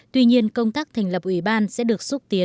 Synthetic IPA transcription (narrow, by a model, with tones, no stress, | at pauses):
t̪wi˧ɲi˧ənkə˧wŋ͡mt̪aː˦˥k̚t̪ʰa˨˩ŋ̟lə˨˩p̚ʔwi˧˩ɓaː˧nsɛ̰˧˥ɗɨ˨˩ək̚su˦˥t̚t̪i˨˦n